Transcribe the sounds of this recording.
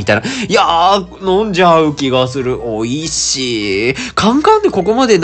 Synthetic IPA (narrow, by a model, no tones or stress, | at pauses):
it̪ajnaja | nõɲd͡ʑaɯ̟kʲiɡasɨɾɯ̟ʔoiɕikʰãŋkãnd̪e̞ko̞ko̞mad̪e̞n